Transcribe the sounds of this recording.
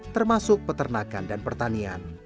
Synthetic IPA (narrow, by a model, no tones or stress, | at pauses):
t̪ərmasʊk̚pət̪ərnakandanpərt̪ania̰n